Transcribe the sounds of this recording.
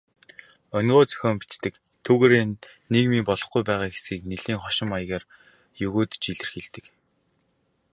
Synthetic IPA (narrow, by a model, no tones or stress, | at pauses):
ɔnɢoːt͡sœ̥xʲɔːmpi̥t͡ɕt̪ɘ̆k | t̪ʰuːɣeːɾeːneɣmiːpɔɮɞ̆χɡujpæːʁaːɡe̥sxiːk̚neɮiːŋχɔʃɪ̆maj̆ɣaːr | jɵɣoːt̪t͡ɕiɮɘ̆rxeɮt̪ɘ̆k